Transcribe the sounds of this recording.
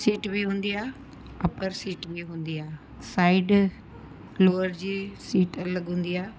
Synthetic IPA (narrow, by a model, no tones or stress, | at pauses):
siːʈbʱiɦũːn̆d̪iaː | ɐpəɾsiːʈbʱiɦũːn̆d̪iaː | saːɪɖ | loːəɾd͡ʑiːsiːʈɐləɠɦũːn̆d̪iaː